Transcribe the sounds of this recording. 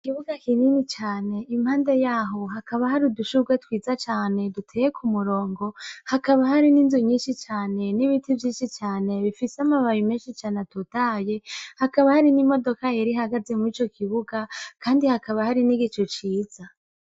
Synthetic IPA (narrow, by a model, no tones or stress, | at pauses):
kiβuɡakininit͡ʃaːneimhaːnde̞jaːɦo̞ɦakaβahaɾiduʃuɡwetwiːzat͡ʃaːne̞dutʰejekʰumuɾo̞ːŋɡo̞hakaβaɦaɾininzuɲiːnʃit͡ʃaːne̞niβitivjiːnʃit͡ʃaːne̞βifiseamaβajimeːnʃit͡ʃaːnetutaːje̞hakaβahaɾinimo̞do̞kajeɾiɦaɡaze̞muiːt͡ʃo̞kʰiβuɡakaːndihakaβahaɾiniɡit͡ʃot͡ʃiːz̥a